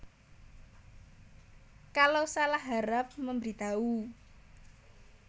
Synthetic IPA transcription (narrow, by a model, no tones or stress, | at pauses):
kalosalahɦaɾap̚məmbɾit̪au